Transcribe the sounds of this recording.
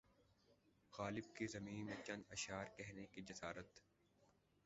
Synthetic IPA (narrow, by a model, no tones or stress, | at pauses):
ɣaːlɪb̚kezɐmĩːnmẽt͡ʃɐ̃nd̪ɐʃaːɾkɛɦnekid͡ʒɐsaːɾət̪